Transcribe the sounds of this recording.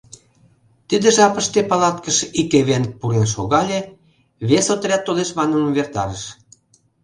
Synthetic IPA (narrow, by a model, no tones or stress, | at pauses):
t̪id̪ə̆ʒɑpə̆ʃt̪epɑlɑt̪kəʃikeβenk̚puɾenʃoɣɑlʲe | βesot̪əɾʲæt̪ːoleʃβɑnəmβert̪ɑ̰ɾəʃ